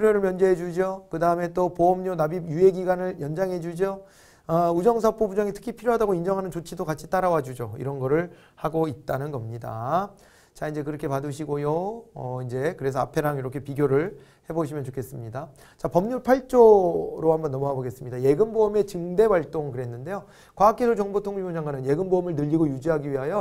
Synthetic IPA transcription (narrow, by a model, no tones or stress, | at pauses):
uɾjoɾɯɭmjʌnd͡ʑeɦed͡ʑud͡ʑjokɯdaɯme̞t͈opoʌmɲonabijue̞ɡiɡwanɯɭjʌnd͡ʑaŋɦe̞d͡ʑud͡ʑo | ʌud͡ʑʌŋs̬ʰapʰobud͡ʑaŋitʰɯ̥kʰipʰiɾjoɦadaɡoind͡ʑʌŋɦanɯnt͡ɕot͡ɕʰidokat͡ɕʰi̥t͈aɾawad͡ʑud͡ʑoḭɾʌnɡʌɾɯɭ | haɡoit̚t͈anɯnɡʌmɲida̰ | t͡ɕaind͡ʑe̞k̬ɯɾʌkʰe̞padɯɕ̬ʰiɡojoʌind͡ʑe̞kɯɾe̞sʰʌapʰe̞ɾaŋiɾʌkʰe̞piɡjoɾɯɭ | he̞boɕʰimjʌnt͡ɕokʰe̞s͈ɯmɲida | t͡ɕapʌmɲuɭpʰaɭt͡ɕ͈oɾohambʌnːʌmʌɦaboɡe̞s͈ɯmɲidaje̞ɡɯnboːme̞t͡ɕɯŋde̞waɭt͈oŋkɯɾe̞nːɯnde̞jo | kwaak͈e̞sʰʌt͡ɕʌŋbotʰoŋiod͡ʑaŋɡwanɯnje̞ɡɯnboːmɯɭnɯʎːiɡojud͡ʑiɦaɡiɥiɦajo